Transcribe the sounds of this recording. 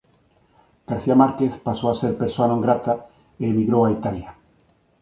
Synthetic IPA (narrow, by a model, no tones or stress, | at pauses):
ɡ̥aɾθiamaɾkeθpasowaseɾpeɾsoanõŋɡɾat̪a | eːmiɣɾowait̪alja